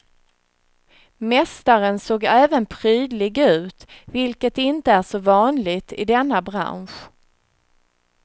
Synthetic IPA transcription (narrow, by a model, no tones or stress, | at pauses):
mɛst̪aɾənsoːɡɛːvənpʰɾyːd̪lɪɡʉ̟ːt̪vɪlkət̪ɪnt̪əæʂɔvɑːnlɪɡt̪ɪ̰d̪ɛnːabɾa̰nɧ